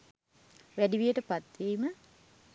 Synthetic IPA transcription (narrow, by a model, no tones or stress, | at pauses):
ʋæɖiʋijəʈəpat̪ʋiːmə